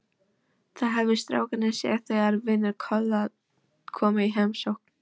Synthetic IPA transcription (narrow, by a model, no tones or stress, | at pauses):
θaðɦɛvɪst̪ɾa̰ːwkanɪsjɛ̰ːɣθejaɾvɪnːɪɾkʰœlːað | kʰɔːmaiɦemsowhkn